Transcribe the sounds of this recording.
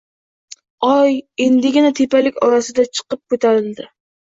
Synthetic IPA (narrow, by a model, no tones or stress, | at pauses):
ɒjend̪ɪɡʲɪnat̪ʰepalɪkʲɒɾasɪd̪at͡ʃʰɨ̥qɨp̚kʰot̪ʰaɾɪld̪ɪ